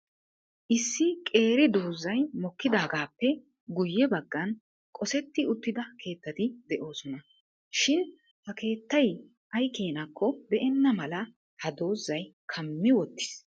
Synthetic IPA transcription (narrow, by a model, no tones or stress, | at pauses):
ʔɪsːɪkʼe̞ːɾɪd̪oːzːɐjmɔkːɪd̪aːɡaːpːɛ | ɡʊjːɛbɐɡːɐn | kʼɔsɛt̪ːɪʊt̪ːɪd̪ɐkʰe̞ːt̪ːɐt̪ɪd̪ɛʔo̞ːsɔnɐ | ʃɪn | hɐke̞ːt̪ːɐj | ʔɐjke̞ːnakʰːɔbɛʔɛnːɐmɐlɐ | hɐd̪o̞ːzːɐj | kʰɐmːɪwɔt̪ːɪ̥s